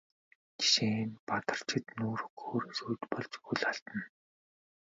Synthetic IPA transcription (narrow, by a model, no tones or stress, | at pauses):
ki̥ʃeːnpat̪ə̆r̥t͡ɕʰɪ̆t̪nuːɾɵxoːɾesuːt̪pɔɮt͡ɕxuɮaɬt̪ə̆n